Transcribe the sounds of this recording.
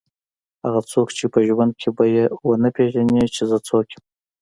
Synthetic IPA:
ha̰ɣat͡sokt͡ʃepəʒwand̪̚kʲʰebajewənəpʰeʒanet͡ʃezət͡sʰokʲem

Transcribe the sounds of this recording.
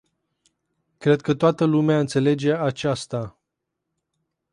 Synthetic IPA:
kɾe̞d̪̚kət̪oat̪əlumeaɨnt̪se̞le̞d͡ʒe̞at͡ʃast̪a

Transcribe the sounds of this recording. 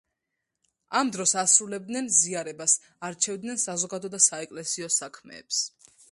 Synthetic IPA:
amd̪ɾɔsasɾulɛb̚d̪nɛnziaɾɛbas | aɾt͡ʃʰɛvd̪nɛnsazɔɡad̪ɔd̪asaɛkʼlɛsiɔsakʰmɛ̰ːps

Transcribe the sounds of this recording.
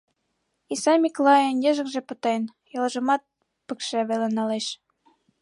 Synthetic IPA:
isɑmʲiklɑjenjĕʒə̆kʒĕpɤ̆t̪en | jɤ̆lɤ̆ʒɤ̆mɑt̪̚ | pə̆kʃæβelenɑleʃ

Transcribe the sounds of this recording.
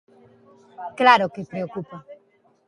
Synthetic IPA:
klaɾɔkepɾiokupɔ

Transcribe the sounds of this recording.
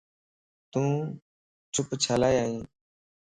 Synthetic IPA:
t̪ũː | t͡ʃʰʊpt͡ʃʰaːlaːjaːɦĩː

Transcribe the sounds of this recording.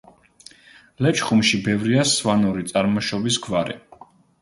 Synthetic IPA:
lɛt͡ʃχumʃibɛvɾiasvanuɾit̪sʼaɾmɔʃɔbisɡvaɾɛ̰

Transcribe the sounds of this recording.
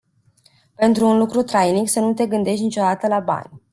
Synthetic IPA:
pe̞nt̪ɾuːnlukɾut̪ɾajniksənut̪e̞ɡɨnd̪e̞ʃ̬t̪nit͡ʃo̞d̪at̪əlaba̰nʲ

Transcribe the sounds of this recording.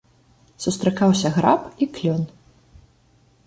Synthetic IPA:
sust̪ɾakawsʲɐɣɾapiklʲɔn

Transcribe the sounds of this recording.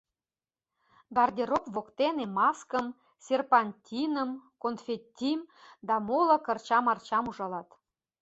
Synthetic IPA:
bɑrd̪ʲeɾokvokt̪enemɑskə̆m | sʲerpɑnʲtʲinəmkonfʲetʲːimd̪ɑmolɤ̆kə̆rt͡ɕɑmɑrt͡ɕɑmuʒɑlɑt̪

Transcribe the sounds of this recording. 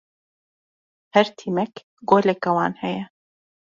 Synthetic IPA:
hɛɾt̪ʰiːmɛk | ɡoːlɛkɐwaːnhɛjɛ

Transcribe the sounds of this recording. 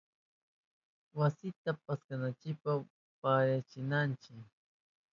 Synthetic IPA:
wasɪt̪apaskanant͡ʃɪk̚pa | pajat͡ʃɪnant͡ʃɪk

